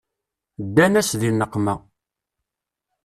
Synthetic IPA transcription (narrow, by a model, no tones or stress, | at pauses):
d̪ːænæsðinəqːmæ